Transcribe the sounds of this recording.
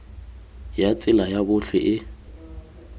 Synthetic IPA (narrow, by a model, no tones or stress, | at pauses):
jat͡sʼɪlajabʊɬɛ̰ʔɪ